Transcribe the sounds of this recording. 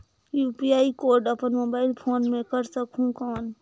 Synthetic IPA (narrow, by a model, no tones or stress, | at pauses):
juːpiaːikoːɾɖəpənmoːbaːɪlpʰoːnmẽkəɾsəkʰũkaːn